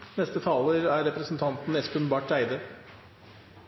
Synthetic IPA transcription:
nɛst̪ət̪ʰɑːləɾæɾɛpɾəsn̩t̪ʰɑnt̪n̩ɛskʉnbɑʈɾæɪd̪ə

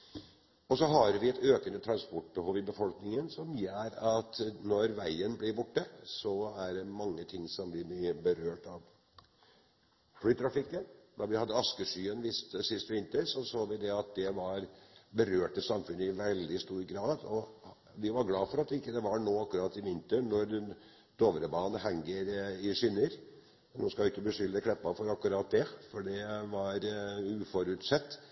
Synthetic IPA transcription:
ɔsɔɦɑɾʋɪɛt̪øːkənət̪ʰɾɑnspɔʈ̚ːbəhoːʋɪbəfɔlknɪŋənsɔmjæːɾɑt̪nɔɾʋæɪənblɪɾbʊʈːəsɔæɖɛmɑŋːət̪ʰɪŋsɔmblɪɪbəɾøːʈɑʋ | flyːt̪ʰɾɑfɪkːənd̪ɑʋɪhɑd̪ːəɑskəʂyːənʋɪst̪əsɪst̪ʋɪnt̪əɾsɔsoːʋɪd̪ɛɑt̪̚d̪ɛʋɑɾbəɾøːʈəsɑmfʉnːəɪʋɛld̪ɪst̪uːɾɡɾɑːd̪ɔ | ʋɪʋɑɾɡlɑːfɔɾɑt̪ːɪkːəd̪ɛʋɑɳoːɑkːʉɾɑt̪ːɪʋɪnt̪əɳnɔɾɛ | d̪̥oːʋəɾəbɑːnəɦɛŋːəɾɪʂʏnːəɾ | mɛnnoːskɑlʊɪkːəbəʂʏlːəkʰɳɛpːɑfɔɾɑkːʉɾɑːt̪̚d̪ɛfɔɖɛʋɑɾʉːfɔɾʉt̪sɛt̪ː

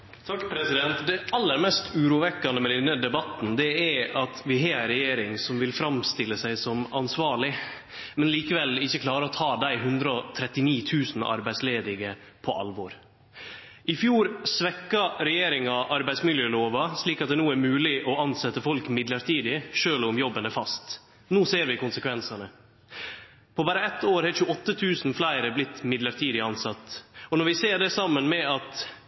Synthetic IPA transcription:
t̪ʰɑkːpʰɾɛsɪd̪ɛnt̪d̪ɛɑlːəɾmɛst̪ʉːɾuːʋɛkːɑnəmɛd̪ɛnːəd̪ɛbɑt̪ːn̩d̪ɛæɾɑt̪ʋɪɦɑːæɪɾɛjeːɾɪŋsɔmʋɪlfɾɑmst̪ɪlːəsæɪsɔmɑnsʋɑːɭɪ | mɛnliːkəʋɛlɪçːəkʰlɑːɾəɔt̪ʰɑːd̪æɪɦʉnd̪ɾəɔt̪ʰɾɛt̪ːɪniːt̪ʰʉːsn̩ɑ̰ɾbæɪsleːd̪ɪɡə | pʰɔʔɑ̰lʋɔɾ | ɪfjuːɾsʋɛkːɑɾɛjeːɾɪŋɑʔɑɾbæɪd̪smɪljəloːʋɑsliːkɑt̪̚d̪ɛnuːæɾmʉːlɪʔɔɑnsɛt̪ːəfɔlkmɪd̪ləɾʈʰiːd̪ɪʃøːlʊmjɔbːənɛfɑst̪ | noːseːɾʋɪkʊnsəkʰʋɛnsɑnə | pʰɔbæːɾəɛt̪ːoːɾhɛçʉɔt̪ːət̪ʰʉːsn̩flæɪɾəblɪt̪ːmɪd̪ləɾʈʰiːd̪ɪɑnsɑt̪ːɔnɔɾʋɪseːɖɛsɑmːənmɛɑt̪

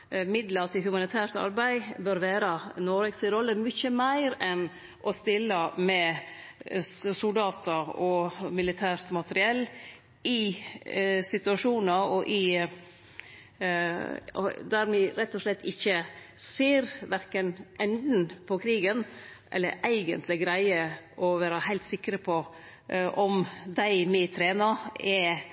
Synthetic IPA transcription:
mɪd̪ləɾt̪ʰɪlhʉmɑnɪt̪ʰæːɾt̪ɑ̰ɾbæɪbœɾʋæːɾənɔɾɛɡsɪɾɔlːəmʏçəmæɪɾɛn | ʔɔst̪ɪlːəmɛ | sʊld̪ɑːt̪əɔmɪlɪt̪ʰæːɾt̪mɑt̪əɾɪɛlː | ʔɪ | sɪt̪ʉɑʂuːnəɾɔʔɪ | d̪æɾmɪɾɛt̪ːɔslɛt̪ːɪçːə | seːɾʋæɾkənʔɛnd̪n̩pʰɔkʰɾiːɡənʔɛ̰lːə̰ɾʔæɪɡənt̪ʰlɪɡɾæɪəʔɔʋæːɾɑhæɪlt̪sɪkːɾəpʰɔ | ʔɔmd̪æɪmɛt̪ʰɾeːnɑɛ

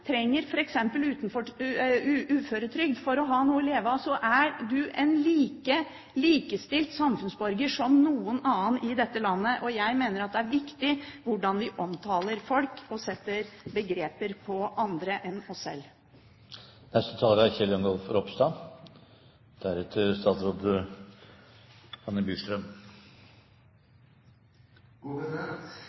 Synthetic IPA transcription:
t̪ʰɾɛŋːəɾfɔɾɛksɛmpəlʉːt̪n̩fɔʉʔʉːføːɾət̪ʰɾʏɡd̪fɔɾɔɦɑːnuːəɪleːʋɑsɔʔæɖʉʔɛnliːkə | liːkəst̪ɪlt̪sɑmfʉnsbɔɾɡəʂɔmnuːənɑːənɪd̪ɛt̪ːəlɑnːəʔɔjæɪmeːnəɾɑt̪̚d̪ɛæɾʋɪkt̪ɪʋʊɖɑnʋɪʔɔmt̪ʰɑːləɾfɔlkɔsɛt̪ːəɾbəɡɾeːpəɾpʰɔʔɑnd̪ɾəʔɛnɔsːɛ̰l | nɛst̪ət̪ʰɑːləɾæçɛljɔŋɡɔlfɾɔpst̪ɑ | d̪̥æɾɛt̪ʰəst̪ɑːt̪sɾoːd̪ | hɑnːəbyːʂʈɾœm

